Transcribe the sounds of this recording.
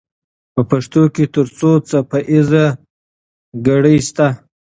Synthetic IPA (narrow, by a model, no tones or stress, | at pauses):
pəpaʂt̪oket̪əɾt͡sot͡sapaʔɪza | ɡaɽəjst̪a